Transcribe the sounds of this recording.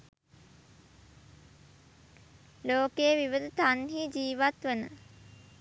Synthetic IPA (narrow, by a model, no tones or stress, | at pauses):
loːkeʋiʋəd̪ut̪anɦiːd͡ʒiːʋat̪ʋənə